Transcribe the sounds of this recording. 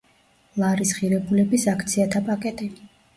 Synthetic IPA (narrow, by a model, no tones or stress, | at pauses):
lˠaɾisχiɾɛbulɛbisakʰt̪sʰiat̪ʰapʼakʼɛt̪ʼi